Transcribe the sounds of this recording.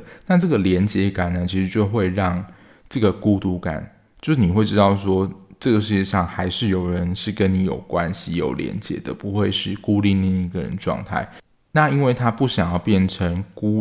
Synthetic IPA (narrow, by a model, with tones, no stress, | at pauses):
na˥˧ʈ͡ʂɤ˥˩ɡə˨˩ljɛ˧˦˥nt͡ɕjɛ˧˥ka˨˩nə˩˦t͡ɕʰi˧˥ʂɻ̩˧˦t͡ɕjo˥˧ʊxwe˥˧ɪɻɑ˥˧ŋ | ʈ͡ʂɤ˥˩ɡə˩ku˥t̪u˧˩ka̰˨˩˦n | t͡ɕjo˥˧ʊʂɻ̩˥˩ni˨˩we˥˩ɪʈ͡ʂɻ̩˥ɑ˥˩ʊswɔ˥ʈ͡ʂɤ˥˩ɡə˩ʂ̬ɻ̩˥˩t͡ɕɛ˧ʂɑ˥˩ŋxa˧˥ɪʂɻ̩˥˩jo˨˩ʊɻə˧˦nʂɻ̩˥˩kə˦ni˧˥jo̰˨˩ʊkwa˦˥nɕi˨jo̰˨˩ʊljɛ̰˧˦˥nt͡ɕjɛ̰˧˦d̪ə̰˨pu˧˦xwe˥˧ɪʂɻ̩˥˩ku˦li˥˧na˥˧i˥˩ɡə˨ɻə̰˦nə˧ʈ͡ʂwɑ̰˥˧ŋt̪ʰa̰˥˩ɪ | na˥˨i˥nwe˥˩ɪt̪ʰa˥pu˥˩ɕjɑ˨˩ŋjɑ˥˧ʊpjɛ˥˩nʈ͡ʂʰə˧˥ŋku˥